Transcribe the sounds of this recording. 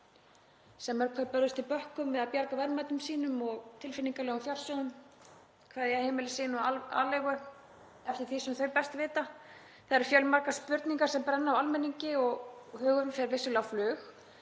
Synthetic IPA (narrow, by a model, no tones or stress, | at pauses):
sɛmːɛɾkʰvɛɾpœɾðʏst̪ɪlpœhkʏmvɪðaðpjaɾkavɛɾmaːt̪ʏmsiːnʏmɔɣt̪ʰɪlfɪniŋkalɛːɣʏmθjar̥sjowðʏm | kʰvaːðijɛahejmɪlɪsɪːnʏaa̰ːlɛɣʏ | ɛft̪ɪɾ̥θisɛmθœɥɾpɛst̪vɪːt̪a | θaɾɪɾ̥fjœlmaɾkaspʏɾt̪niŋkaɾ̥sɛmpɾɛnːawalmɛniɲcɪɔɣhʏːɣʏɾʏmfjɛɾvɪsʏlɛawflʏːx